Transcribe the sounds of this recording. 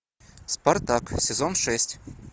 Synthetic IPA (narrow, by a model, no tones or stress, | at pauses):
spɐrt̪aksʲɪzonʂɛsʲtʲ